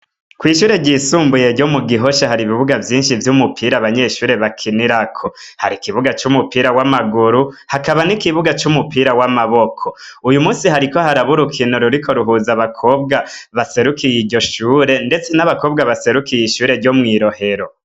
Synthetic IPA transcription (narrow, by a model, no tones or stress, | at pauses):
kwiːʃuːɾe̞ɟisuːmbuje̞ɾɟomuɡiɦo̞ʃahaɾiβiβuɡavjiːnʃivjumupʰiːɾaβaɲe̞ʃuːɾe̞βakʰiniɾakʰo | ha̰ɾikiβuɡat͡ʃumupiːɾawamaɡuɾuhakaβanikiβuɡat͡ʃumupiːɾawamaβokʰoujumuːnsihaɾiko̞haɾaβuɾukʰinoɾuɾikʰo̞ɾuɦuzaβakʰo̞ːb̚ɡaβase̞ɾukijiɟo̞ʃuːɾe̞nde̞t͡se̞naβakoːbɡaβase̞ɾukijiʃuːɾe̞ɾɟomŋiːɾo̞he̞ɾo